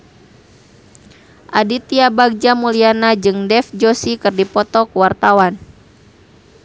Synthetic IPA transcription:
ʔadit̪iabaɡ̚d͡ʒamulianad͡ʒɨŋdɛfd͡ʒosikɨrdipɔt̪ɔkəwart̪awan

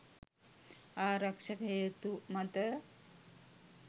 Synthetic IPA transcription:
aːɾɐkʂɐket̪umɐt̪ɐ

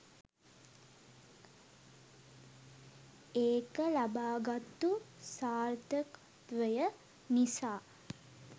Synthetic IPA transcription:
eːkəlabaːɡat̪ːusaːrt̪ək | t̪ʋəjə | nisaː

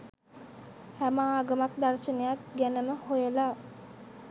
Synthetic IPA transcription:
hæmaaːɡəmak̚d̪arʃənejak̚ɡænəməhojəla

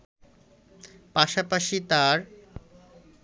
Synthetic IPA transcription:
paʃapaʃit̪aɾ

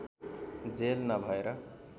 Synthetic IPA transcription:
d͡zelnʌbʱʌeɾʌ

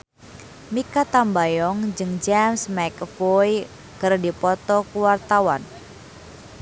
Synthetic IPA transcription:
mikat̪ambajɔŋd͡ʒɨŋd͡ʒamsmɛkfɔj | kərdipɔt̪ɔkuwart̪awan

